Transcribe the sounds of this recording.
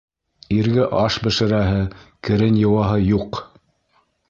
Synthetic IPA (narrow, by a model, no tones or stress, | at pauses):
iɾɡɘʔɑʃbɘ̆ʃɘ̆ɾæɦɘkɘ̆ɾɘnjɤ̆wɑɦɤjuq